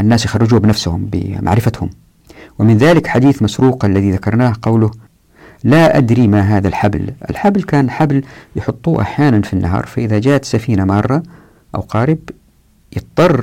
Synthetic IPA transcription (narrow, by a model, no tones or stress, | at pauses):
ʔanːaːsjɪxɑrːɪd͡ʒuːbɪnafshʊmbɪ̰mʔa̰ʕɾɪfat̪hʊm | wɪmɪnðaːlɪkħad̪iːθmasɾuːqʔalːaðiðakɑɾˤnaːhqɑwlʊ | laʔa̰d̪ɾimaɦaːðalħablʔɪ̰lħablkaːnħabljɪħʊt̪ˤːṵːʔa̰ħjaːnanfinːaɦɑ̰ːɾˤfaʔɪðad͡ʒaːʔt̪safiːnamɑːrˤːɑ | ʔa̰wqɑːɾɪb | jɨt̪̚ˤːɑrˤː